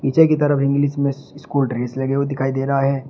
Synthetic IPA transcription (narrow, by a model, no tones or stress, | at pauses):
iːt͡ʃekit̪ɐɾəfɪ̃ŋɡlismẽɪskuːlʈɾeːslɐɡeod̪ɪkʰaːid̪eːɾɐɦaɦɛː